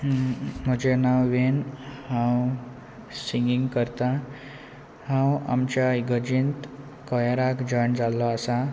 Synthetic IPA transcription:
m̤əd͡ʑenawʋenhãw | siŋɡiŋɡkəɾt̪a | hãwa̰mt͡ɕjaiɡəd͡ʑint̪ | kəjaɾakd͡ʑəɳd͡zalːɔasa

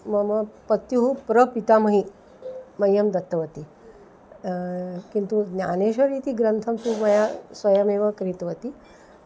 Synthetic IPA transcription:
mɐmɐpɐt̪juɦupɾəpit̪amɐɦi | mɐjːɐmd̪ɐt̪ːɐʋɐt̪i | kint̪unʲjaneɕəɾit̪iɡɾənt̪ʰɐmt̪umɐjasʋɐjəmeʋɐkɾit̪ʋət̪i

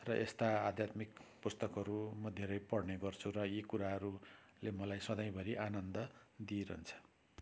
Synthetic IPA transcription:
rʌʔest̪aad̪ʱjat̪mikpust̪ʌkɦʌɾumʌd̪ʱeɾʌjpʌɽneɡʌrt͡sʰurʌjekuɾaɦʌɾu | lemʌlajsʌd̪ʌj̃bʱʌɾiʔanʌnd̪ʌd̪ieɾʌunt͡sʰʌ̥

